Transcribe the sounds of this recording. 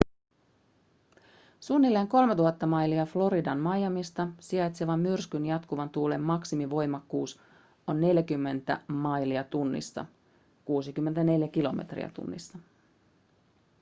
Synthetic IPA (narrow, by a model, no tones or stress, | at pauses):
sunːilːeːŋko̞lme̞t̪uɦɑt̪ːɑmɑjliɑflo̞ɾidɑnmɑjɑmist̪ɑsiɑjt̪seʋɑmːyrskynjɑt̪kuʋɑnt̪uːle̞mːɑksimiʋo̞jmɑkːuːs | o̞nːe̞ljækymːe̞nt̪æ̰mɑjliɑt̪unːḭsːɑ̰ | kuːsik̟ymːe̞nt̪æne̞ljæk̟ilo̞mḛt̪rḭɑ̰t̪ṵnːḭsːɑ